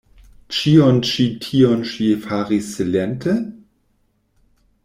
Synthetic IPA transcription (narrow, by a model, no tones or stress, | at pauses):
t͡ʃiont͡ʃitʰionʃifaʁisːelentʰe